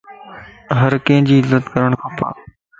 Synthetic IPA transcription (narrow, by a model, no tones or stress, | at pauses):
ɦəɾkẽːɪ̃d͡ʑiːɪzət̪kəɾəɽ̃kʰapʰa̰ː